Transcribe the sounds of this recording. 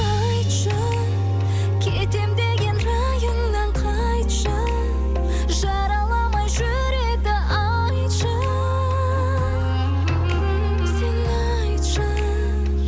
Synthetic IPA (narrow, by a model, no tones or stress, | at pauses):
ɑ | j | ʃɑ | kʲʰet̪e̞md̪e̞ɡʲe̞nɾɑ | jəŋnɑɴqʰɑ | jt̪ʃɑ | ʒɑɾɑlˠɑmɑjʒɵ | ɾe̞d̪ɪʔɑ | jʃɑ | sɪnɑ | jt̪ʃɑ